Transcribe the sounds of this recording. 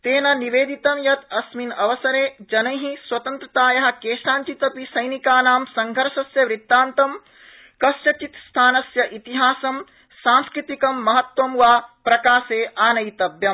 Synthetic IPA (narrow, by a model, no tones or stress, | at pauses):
t̪eːnɐniʋeːd̪it̪ɐmjɐt̪ɐsminɐʋɐsɐɾeːd͡ʒɐnɐjɦĩswɐt̪ɐnt̪ɾɐt̪aːjɐɦɐ̆keːʃaːnt͡ʃit̪ɐpisɐjnikaːnaːmsɐŋɡʱɐɾʃɐsjɐʋɾit̪ːaːnt̪ɐm | kɐʃʈɐt͡ʃit̪st̪ʰaːnɐsjɐʔit̪iɦaːsɐm | saːnskɾit̪ikɐmːɐɦɐt̪wɐmʋaːpɾɐkaːseːʔaːnɐjt̪ɐbjɐm